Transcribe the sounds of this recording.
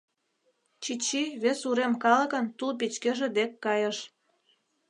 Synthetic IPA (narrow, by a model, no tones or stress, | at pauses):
t͡ɕit͡ɕːiβesuɾemkɑlə̆kə̆nt̪ulp̬it͡ɕkeʒĕd̪ekːɑjəʃ